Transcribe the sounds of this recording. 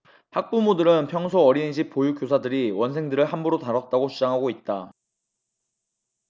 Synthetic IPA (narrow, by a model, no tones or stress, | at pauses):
hak̚p͈umodɯɾɯnpʰjʌŋsʰoʌɾinɕ̬ʰip̚p͈ojuk͈josʰadɯɾiwʌnsʰe̞ŋdɯɾɯɭɦambuɾotaɾʌt̚t͈aɡot͡ɕʰud͡ʑaŋɦaɡoit̚t͈a